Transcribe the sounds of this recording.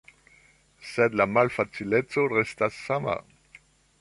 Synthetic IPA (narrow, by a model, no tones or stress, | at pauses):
sed̪lamalfat͡silet͡soʁɛst̪asːama̰